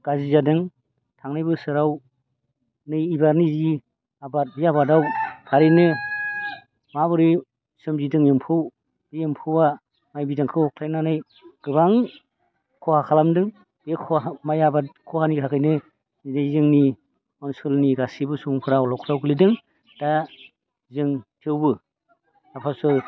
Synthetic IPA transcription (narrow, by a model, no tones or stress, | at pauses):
ɡ̥azizadɯŋ | tʰaŋnɯjbɯsɯɾaw | nɯjːbaɾnizi | abat̚biabadawkʰaɾinɯ | mabɯɾi | sɯmzidɯŋjɯmpʰɯw | ɯjempʰɯwa | majbidaŋkʰɯhɔk̚ʰlʰajnanɯj | ɡ̥ɯβaŋ | kʰɔhakʰalamdɯŋ | ekʰɔmajabakʰɔhanikʰakʰɯjnɯ | ajzɯŋni | ɔnsɔlniɡasibɯsuŋpʰɯɾaɔlɔwkʰɾawɡɯlidɯŋ | d̥a | zɯŋtʰɯwbɯ | apʰasɯ